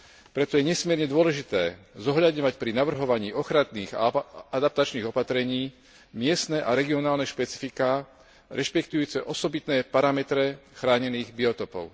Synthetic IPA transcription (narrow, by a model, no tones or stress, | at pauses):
pɾɛt̪ɔjɛɲɛsmɪɛɾɲɛd̪ʊɔlɛʒit̪ɛːzɔɦʎad̪ɲɔʋacpɾinaʋr̩ɦɔʋaɲiːʔɔxɾaniːɣa̰ad̪ap̚t̪at͡ʃniːɣɔpat̪ɾɛɲiː | mɪɛst̪nɛʔaɾɛɡiɔnaːlnɛʃpɛt͡si̥fikaː | ɾɛʃpɛkt̪ujuːt͡sɛʔɔsɔbit̪nɛːpaɾamɛt̪ɾɛxɾaːɲɛniːɣbiɔt̪ɔpɔ̰ʊ